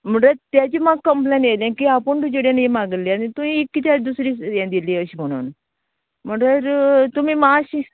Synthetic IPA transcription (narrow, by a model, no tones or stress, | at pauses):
m̤əɳʈəɾt̪jat͡ɕimaɡkːəmplenelẽkiapəɳʈ̪ud͡ʑoɽjanemaɡəlːianit̪umiekːit̪ad̪usɾiːãd̪iliəɕiːm̤əɽ̃ṵn | m̤əɳʈəɾt̪umiːmaɕi